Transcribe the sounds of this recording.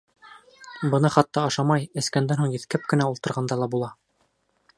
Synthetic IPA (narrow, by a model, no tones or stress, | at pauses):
bɤ̆nɤχɑt̪ːɑɑʃɑmɑjɘ̆skænd̪ænhuɴjɘ̆θkæp̚kɘ̆næulˠt̪ɤ̆ɾʁɑnd̪ɑlˠɑbulˠɑ